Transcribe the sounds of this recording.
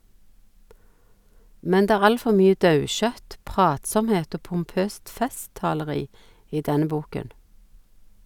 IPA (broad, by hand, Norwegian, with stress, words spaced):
ˈmɛn ˈdeː ˈæːʁ ˈɑl ˈfɔ ˈmyːə ˈdɑʉˌʃœt ˈpʁɑːtˌsɔmˌheːt ˈoː pʊmˈpøːst ˈfɛˌstɑːləˌʁiː ˈiː ˈdɛnə ˈbuːkən